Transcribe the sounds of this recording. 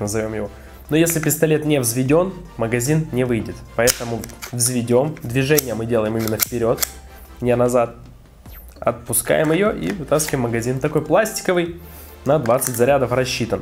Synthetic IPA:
nəzɐvʲo̞mjɪvo̞ | nojesʲlʲɪpʲɪst̪ɐlʲe̞t̪nʲevzvʲɪdʲo̞nməɡɐzʲinnʲɪvɨjdʲɪt̪pɐɛt̪əmʊvzvʲɪdʲo̞md̪vʲɪʐɛnʲɪjəmɨdʲe̞lˠəjɪmɨmʲɪnːəfpʲɪɾʲo̞t̪ | nʲenɐzat̪̚ | ɐ̰t̪̚pʊska̰jɪmɪjo̞ʔḭvɨt̪askəɪmːəɡɐzʲint̪ɐko̞jplˠasʲtʲɪ̥kəvɨj | nɐd̪vat̪sɨtʲzɐɾʲad̪əfrɐɕːit̪ən

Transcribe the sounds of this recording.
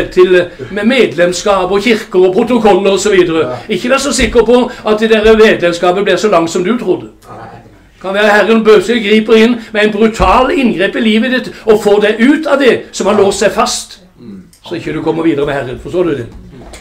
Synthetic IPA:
t̪ʰːɪlmɛmeːd̪lɛmskɑːbɔçɪʁkəɾɔpʰɾʊt̪ʊkʰɔlːəɾɔsɔʋiːd̪əɾəɪçːəd̪æːsɔsɪkːəɾpʰɔʔɑt̪̚d̪ɛd̪ɛɾəmeːd̪lɛmskɑːbənb̪ɪʁsɔlɑŋt̪sɔmd̪ʉt̪ʰɾʊd̪ːə | kʰɑnʋæːʁəhæɾənbøsəɡɾiːpəɾɪnːmɛæɪt̪bɾʉt̪ʰɑːlɪnɡɾeːpɪliːʋəd̪ɪt̪ːɔfoːd̪æɪʔʉːt̪ɑʋd̪ɛsɔmhɑloːst̪sæɪfɑst̪ | sɔɪçːəd̪ʉkʰɔmːəɾʋiːd̪əʁəmɛhæʁːənfɔst̪oːʁd̪ʉd̪ɛ̰

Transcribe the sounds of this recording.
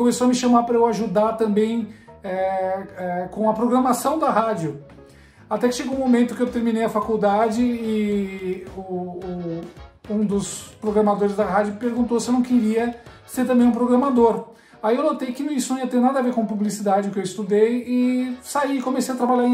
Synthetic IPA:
kõmesoɐmɪʃɐmaɾpɾɐewaʒud̪aɾt̪ɐ̃mbẽj̃ɛɛkõɐpɾoɡɾɐmasɐ̃w̃d̪ɐɦad͡ʒjʊ | at̪ɛkɪʃeɡõũmomẽnt̪ʊkɪewt̪eɾmĩnejɐfakuwd̪ad͡ʒɪɪ | ʊː | ũd̪ʊspɾoɡɾɐmad̪oɾɪzd̪ɐɦad͡ʒʊpeɾɡũnt̪owsɪewnɐ̃w̃kɪɾiɐ | seɾt̪ɐ̃bẽj̃ũpɾoɡɾɐmad̪oɾ | aiewnot̪ejkɪnũisʊñiɐt̪ẽɾnad̪ɐaveɾkõpublisid̪ad͡ʒɪʊkɪewɪst̪ud̪ejɪsaikõmesejɐt̪ɾabaʎaɾ̃

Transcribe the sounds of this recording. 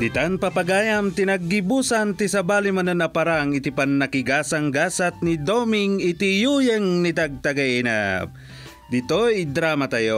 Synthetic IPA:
d̪it̪anpɐpɐɡaːjamt̪inɐɡːibusant̪isɐbaːlimanɐnɐpaɾaŋit̪ipanːɐkiɡaːsaŋɡasat̪̚nid̪omiŋɪt̪ijujɛŋnit̪aɡ̚t̪ɐɡaina̰p̚ | d̪it̪oid̪ɾamat̪ɐjo

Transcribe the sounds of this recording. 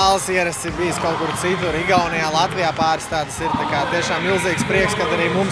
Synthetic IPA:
aːlˠsiɛɾɐst̪iɾbijskaʊkuɾt̪sit̪uɾiɡawnajaːlˠat̪ʋijaːpaːɾst̪aːd̪siɾt̪akaːt̪iɛʃaːmliʊziːkspɾiɛkskad̪aɾiːmum

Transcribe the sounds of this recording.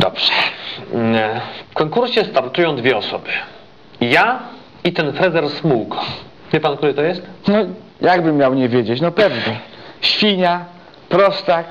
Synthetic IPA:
d̪̥ɔbʐ̥ɛ̥ | fkɔŋkuɾɕɛst̪aɾt̪ujɔ̃w̃d̪vʲjɛɔsɔbɘ | ja | it̪ɛnfɾɛzɛɾsmuk | vʲjɛpank̚t̪uɾɘt̪ɔjɛst̪nɔ | jʔaɡbɘmːʲjawɲɛvʲjed͡ʑet͡ɕnɔpɛvnɛɕfʲiɲa | pɾɔst̪a

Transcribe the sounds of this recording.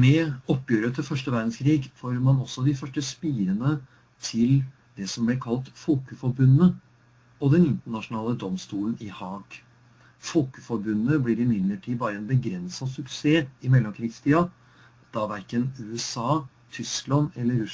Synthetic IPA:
mɛɔpːjøːɾət̪ʰɪlfœʂʈəʋæɾd̪n̩skʰɾiːɡfoːɾmɑnɔsːɔd̪ɪfœʂʈəspiːɾənə | t̪ʰɪl | d̪ɛsɔmblɛkʰɑlt̪fɔːkəfɔɾbʉnːə | ɔd̪ɛnɪnt̪əɳɑʂʊnɑːləd̪ɔmst̪uːlən̩ɪhɑːɡ | fɔlkəfɔɾbʉnːəblɪɾɪmɪd̪ləʈʰiːbɑːɾəɛnbəɡɾɛnsɑsʉkseːɪmɛlːɔmkʰɾiːɡst̪ʰiːɑ | d̪̥ɑʋæɾkənʉːɛsɑː | t̪ʰʏsklɑnɛlːəɾʉ

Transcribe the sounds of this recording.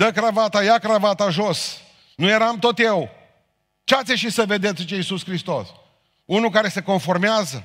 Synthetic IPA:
d̪əkɾavat̪ajakɾavat̪aʒos | nuje̞ɾamt̪o̞t̪je̞w | t͡ʃeat̪sʲeʃisəve̞d̪e̞t̪sʲt͡ʃeisuskɾist̪o̞s | unukaɾe̞se̞ko̞nfo̞rmeazə

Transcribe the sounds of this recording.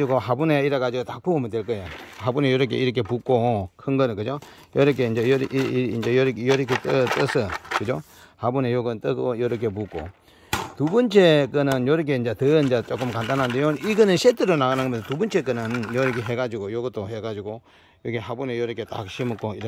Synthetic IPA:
iɡoɦabuneiɾʌɡad͡ʑiɡotak̚puɡomidweɭk͈ɯjeɦabunejʌɾʌk̬ʰeiɾʌkʰepuk͈okʰɯnɡʌnɯnkɯd͡ʑo | jʌɾʌkʰeind͡ʑejɾind͡ʑejʌɾkjʌɾɯkʰet͈ɯt͈ɯsʰɯkɯd͡ʑo | habunejoɡɯt͈ɯkojʌɾʌkʰepuk͈o̰ | tubɯnt͡ɕʰekɯnɯnjʌɾʌk̬ʰeind͡ʑetɯind͡ʑet͡ɕok͈ɯmkantʰanɦand̪ejoniɡɯnɯnɕʰetʰɯɾonaɡanɯŋɡʌmjʌnʰotubunt͡ɕʰek̬͈ɯnɯnjʌɾʌkʰeɦeɡad͡ʑiɡojoɡɯt͈ʰoheɡad͡ʑiɡo | joɡeɦabunejʌɾʌkʰet͈a̰k̚ɕʰimɯk͈oiɾ

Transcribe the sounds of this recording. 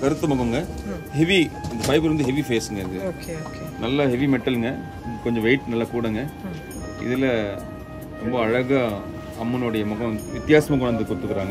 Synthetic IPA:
kɐɾɯt̪ːɐmɐɣɐŋɡɐ | hɛʋiɪnd̪ɐpɐɪpːɯɾʋɐnd̪ɯɦɛʋifeːsɯŋɡɐɪðɯoːkeoːkːnɐlːɐhɛʋimɛʈːɐlɯŋɡɐ | kɔɲd͡ʒɔ̃ʋɐɪʈnɐlːakuːɽɐːŋɡɐ | ɪ̰ðɪlɐ | ɾɔmbɐːɻɐɣɐ | ɐmːɪnoːɽɐjɐmɐɣɐ̃ʋɪt̪ːɪjaːsɐmɐk̬ɔɳɐnd̪ɯkʊt̪ːɯkːɯɾaːŋɡɐ

